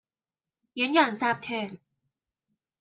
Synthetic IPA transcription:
ji˨˩˦njaː˨˩ŋsaː˥˩p̚t̪ʰɛː˧˩n

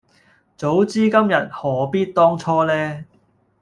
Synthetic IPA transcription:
t͡so˨˥wt͡siː˥kɐ˥mjɐ˨t̚hɔː˨˩piː˥t̚t̪ɔː˥ŋt͡sʰɔː˥lɛː˥

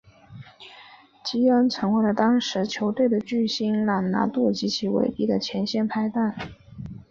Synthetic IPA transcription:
t͡ɕi˥ə˥nt͡sʰɤ˧˥ŋwe˧˥ɪlə˨˩t̪ɑ˥ŋʂɻ̩˧˥t͡ɕʰjo˧˥ʊt̪we˥˩ɪd̪ə˩t͡ɕy˥˩ɕi˥nla˨˩ŋna̰˧˥t̪u˥˩t͡ɕi˧˥t͡ɕʰi˧˥wḛ˨˩ɪpi˥˩d̪ə˨t͡ɕʰjɛ˧˥nɕjɛ˥˧npʰa˥ɪt̪a˥˩n

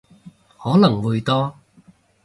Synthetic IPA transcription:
hɔː˨˥lɐ˨˩ŋwuː˨˧jt̪ɔː˥

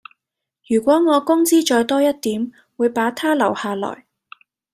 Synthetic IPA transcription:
jyː˨˩kʷɔː˨˥ŋɔː˨˧kʊ˥ŋt͡siː˥t͡ʃɔː˧jt̪ɔː˥jɐ˥t̚t̪iː˨˥m | wuː˨˧jpaː˨˥t̪ʰaː˥lɐ˨˩whaː˨˧lɔ̰ː˨˩j

